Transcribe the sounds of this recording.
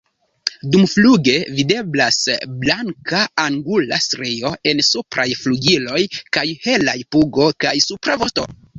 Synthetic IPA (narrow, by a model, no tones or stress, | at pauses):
dumfluɡe̞vide̞blasblaŋkaaŋɡulastɾejo̞e̞nsupɾajfluɡilo̞jkajhe̞lajpuɡo̞kajsupɾavosto̞̰